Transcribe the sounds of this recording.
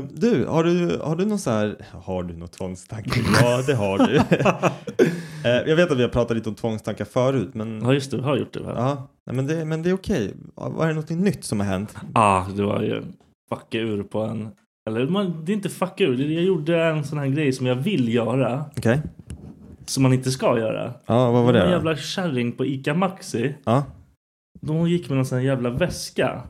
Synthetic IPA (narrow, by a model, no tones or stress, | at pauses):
d̪ɵhaɖɵhaɖɵnɔnsanæːɾhaɖɵnɔt̪ʰvɔŋst̪ʰaŋkːaɑːd̪ɛɦaɖɵ | jʔɑɡveːt̪at̪vɪhaɾpɾɑːt̪at̪lit̪ɔmt̪ʰvɔŋːst̪ʰaŋkːafœːɾʉ̟ːt̪mɛnɑːjɵst̪ɛɪhaɾjʊ̰ʈ̚ːd̪ɛ̰vɛ̰lʔɑːnɛ̰mɛnd̪ɛmɛnd̪ɛːɾʊkʰɛj̰va̰ɛɾɛnɔt̪ʰːɪŋnʏt̪ːsɔmhaɾɦɛnt̪ɑːd̪ɛva̰ɾjɵ̰ | fakːaʉ̟ːɾpʰɔɛ̰n | ɛlːəɾmand̪ɛɪnt̪əfakːaʉd̪ɛjaːjʊɖːəɛnsɔnaɦæːɾɡɾɛjsɔmjavɪlːjœːɾaɔkʰɛj | sɔmːanɪnt̪əs̬kajœ̰ːɾa̰ɑːvaadɛnjæːvlaɕæɾɪŋpʰɔiːkamaksɪɑː | d̪ɔhʊnjɪkːmɛɛnsɔnːjæːvlavɛska̰